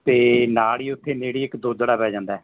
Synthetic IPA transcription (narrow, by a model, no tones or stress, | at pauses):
t̪eːnaːliːʊt̪ʰːeːneːɽiːɪkd̪oːd͡ʒəɽaːpɛːd͡ʒãːnd̪aː